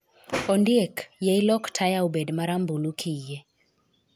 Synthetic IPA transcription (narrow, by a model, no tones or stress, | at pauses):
ɔndiekjailɔktʰajaubɛdmaɾambulukʰije